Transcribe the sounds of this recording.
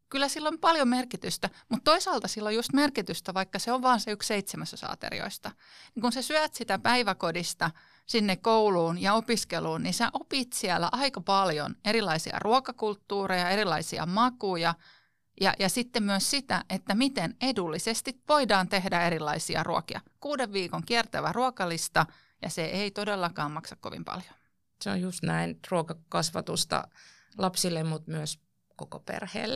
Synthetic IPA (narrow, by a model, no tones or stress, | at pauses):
kylːæsilːompɑljomerkit̪yst̪æmut̪t̪oisɑːlt̪ɑsilːojust̪merkit̪yst̪æʋɑikːɑseoʋʋɑːnseyksseit̪semæsæ̥sɑ̰ːt̪ḛrḭo̰ist̪ɑ | niŋkunsesyææt̪sit̪æpæiʋækodist̪ɑ | sinːekouluːnjɑopiskeluːnninseʔopiːt̪siælːæ̰ʔɑikɑpɑljo̰neɾilɑisiɑ̰rʔuokɑkult̪ːuːrejɑe̞ɾilːˑɑisiɑ̰mɑkujɑ | jɑ̰jɑsit̪ːemmyøssit̪æʔet̪ːæmit̪enedulːisest̪itʋo̞idɑːnt̪e̞hdæe̞ɾilːɑisiɑ̰rʔuo̰kiɑ̰kuːdeʋʋiːkoŋkiært̪æʋæruokɑlist̪ɑ | jɑ̰seʔeit̪odelːɑkɑːmɑksɑkko̰ʋḭmpɑ̰ljo̥ | seo̰jjust̪næinruokɑkɑsʋɑ̰t̪ust̪ɑ̰lɑpsilːemmut̪myøs | kokopḛrhḛːlː